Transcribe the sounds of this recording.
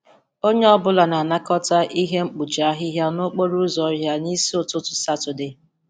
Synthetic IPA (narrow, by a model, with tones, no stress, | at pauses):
o˦ɲe˦ɔ˦bʊ˦la˨na˨a˨na˦kɔ˦ta˦ʔi˦ɦe˦ŋ͡m̩˦k͡pu˨t͡ʃa˨a˦ɦɪ˦ɦja˦no˦k͡po˦ɾu˦zɔ˨˦ɦja˦ni˦si˦o˨tʊ˦tʊ̥˨sa˦tʊ˨dɪ˨